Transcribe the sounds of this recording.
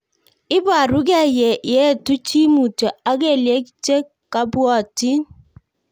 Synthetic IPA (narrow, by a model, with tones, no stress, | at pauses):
ɪ˦ba˨ɾu˦k̬ɛ˦je˨je˦˨tu˦t͡ʃi˦mu˨to˨a˦ke˦˨lje˦kt͡ʃe˦ | ka˦bwɔ˦˨ti˦